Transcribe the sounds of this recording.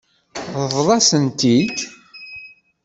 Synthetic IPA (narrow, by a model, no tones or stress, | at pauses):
ðəðˤlˤɑsənt̪id̪